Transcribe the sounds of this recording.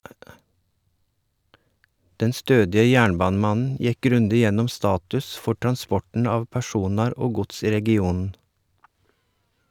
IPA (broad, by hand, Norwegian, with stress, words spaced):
ˈdɛn ˈstøːdɪə ˈjæːɳˌbɑːnəˌmɑnn̩ ˈjɛk ˈɡɾʉndɪ ˈjɛnɔm ˈstɑːtʉs ˈfɔɾ tɾɑnˈspɔʈn̩ ˈɑːʋ pæˈʃuːnɑɾ ˈoː ˈɡʊts ˈiː ɾɛɡɪˈuːnn̩